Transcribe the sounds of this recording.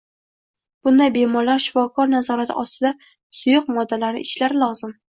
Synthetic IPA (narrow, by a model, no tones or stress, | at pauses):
b̥ʊnd̪ajbe̞mɒɾlaɾʃɪ̥fɒkʰɒɾnazɒɾat̪ʰɪ̰ʔɒst̪ɪd̪a | sʊjʊq̚mɒd̪ːalaɾnɪ̰ʔɪʃlaɾɪlɒzɪm